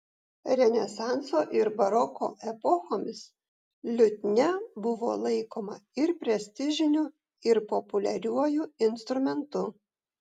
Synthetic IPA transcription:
ɾʲɛnʲɛsɑˑnt̪soːʔɪɾbɐɾɔko̰ːʔɛpɔxoːmʲɪs | lʲʊt̪ʲnʲɛbʊʋo̰ːlˠɐɪkoːmɐɪɾpʲɾʲɛsʲt̪ʲɪʒʲɪnʲʊ | ɪɾpɔpʊlʲɛɾʲuɔjuɪnst̪ɾʊmʲɛnt̪ʊ

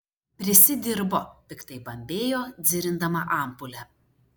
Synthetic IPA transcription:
pʲɾʲɪsʲɪd̪ʲɪɾboːt̪ʲɪkt̪ɐɪbɐmʲbʲeːjoːd̪zʲɪɾʲɪnd̪ɐmɐʔɑˑmpʊlʲɛ

